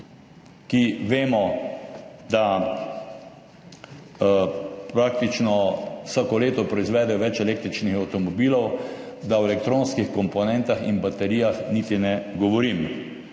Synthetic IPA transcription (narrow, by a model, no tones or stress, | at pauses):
kiʋeːmɔ | d̪a | pɾaːk̚t̪it͡ʃnɔwsaːkɔleːt̪ɔpɾɔizʋɛːd̪ɛɔʋɛt͡ʃɛleːkt̪ɾit͡ʃnixawt̪ɔmɔbiːlɔwd̪awɛlɛkt̪ɾoːnskixkɔmpɔnɛ̃nt̪axḭnbat̪ɛɾijaxniːt̪inɛɡɔʋɔɾim